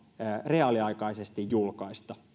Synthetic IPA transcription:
reɑliɑikɑisest̪ijjulkɑist̪ɑ

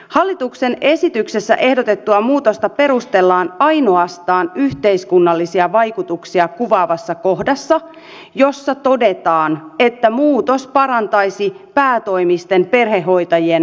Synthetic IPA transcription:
hɑlːit̪ukse̞ne̞sit̪ykse̞sːæ̰ʔe̞hdot̪e̞t̪ːuɑmuːt̪ost̪ɑpe̞ɾust̪e̞lːɑːnɑjno̞ɑst̪ɑːnyht̪e̞jskunːɑlːisiɑʋɑjkut̪uksiɑkuʋɑːʋɑsːɑko̞hdɑsːɑ | jo̞sːɑt̪o̞de̞t̪ɑːne̞t̪ːæmuːt̪o̞spɑɾɑnt̪ɑjsi | pæːt̪o̞jmist̪e̞mpe̞rɦe̞hɦːo̞jt̪ɑjien

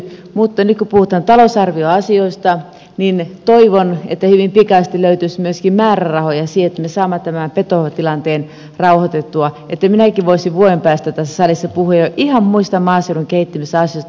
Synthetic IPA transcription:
mut̪ːɑnyt̪̚kupuhut̪ˑɑːnt̪ɑlosɑrʋioɑsioist̪ɑ | nint̪oiʋonet̪ːæhyʋimpikɑst̪iløyt̪ysmyøskimmæːrærɑhojɑsiet̪ːæmesɑːmːɑt̪æmæpet̪ot̪ilɑnt̪eːn | rɑuhot̪et̪ːuɑ | et̪ːæminækiʋʋoisiʋʋuoempæːst̪æt̪æsːæsɑlisːɑpuhuejjoʔihɑmmuist̪ɑmmɑːseuduŋkeit̪ːimisɑsioist̪

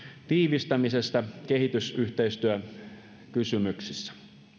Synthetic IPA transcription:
t̪iːʋist̪æmisest̪ɑkehit̪ysyht̪eist̪yø | kysymyksisːæ̥

